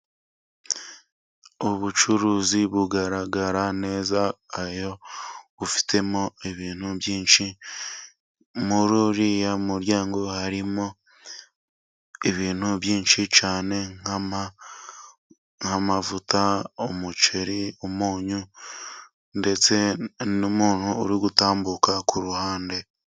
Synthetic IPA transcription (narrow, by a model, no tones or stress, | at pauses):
oβut͡ʃuɾuːziβuɡaɾaɡaɾane̞ːzaːjo̞βufi̥tʰe̞mo̞eβiːn̥huβjiːnʃi | muɾuɾijamuɾjaːŋɡo̞haɾimo | eβiːn̥huβjiːnʃit͡ʃaːne̞ŋama | ŋhamavutaomut͡ʃeɾiomuːɲu | nde̞t͡se̞nomuːn̥huːɾiɡutaːmbukakuɾuhaːnde̞